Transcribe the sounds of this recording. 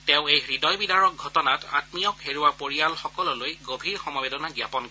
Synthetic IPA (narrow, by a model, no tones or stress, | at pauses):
tɛ̃ʊ̃ejxɹidɔjbidaɹɔk̚ɡʱɔtɔnata̰tmijɔkɦeɹuwapoɹialxɔkɔlɔlojɡobʱiɹxɔmabedɔnaɡjapɔnkɔ